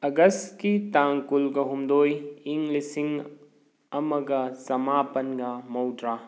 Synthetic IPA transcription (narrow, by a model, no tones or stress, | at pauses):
ɐɡɐstkitaŋkulɡɐɦumdojiŋɡlisiŋ | ɐmɐɡɐsɐmapɐnɡɐmɐwdɾa